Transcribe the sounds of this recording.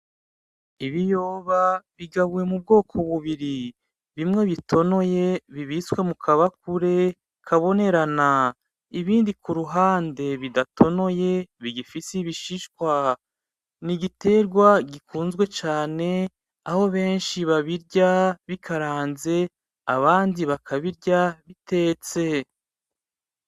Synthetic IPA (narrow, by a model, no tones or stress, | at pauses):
iβijo̞ːβaβiɡaβuje̞mub̚ɡo̞ːkʰo̞βuβiɾi | βimŋe̞βitʰo̞no̞je̞βiβiswe̞mukʰaβakuɾe̞ | kʰaβo̞ne̞ɾana | iβiːndikuɾuɦaːnde̞βidatʰo̞no̞je̞βiɡifisiβiʃiʃkwa | niɡite̞ːɾɡwaɡikʰuːnzɡwe̞t͡ʃaːne̞ | aho̞βe̞ːnʃiβaβiɾɟaβikʰaɾaːnze̞ | aβaːndiβakʰaβiɾɟaβite̞ːt͡se̞